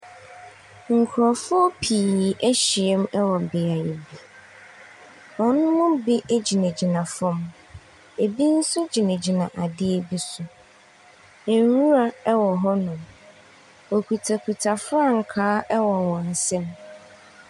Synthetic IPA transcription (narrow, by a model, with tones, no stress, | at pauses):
ŋ̩˨kʰʊ˨ɾɔ˨fʊ˦ɔ˦pʰi˨ʔɛ˦ɕi˨ɛ˦m˦ɛ˦wɔ˨bɪ˨a˨e˨bi˨ | ɔ˨nʊ̃˦mʊ̃˦bi˦ʔe˦d͡ʑi˨næ̃˨d͡ʑi˨nã˨fɔ̃˦m | e˨bi˦n̩˦sʊ˦d͡ʑi˨nɛ̃˨d͡ʑi˨nã˨ʔa˨dɪ˦e˨bi˦sʊ˨ | ɛ˨˦ɾu˦ɾa˨ɛ˦wɔ˨ɦɔ˦nʊ̃˨m | o˨kʰu˨tʰa˨kʰu˨tʰa˨fʊ˦a˦ŋ̩˨kʰaː˦ʔɛ˦wɔ˨wɔ̃˨n̩˨sɛ̃˦m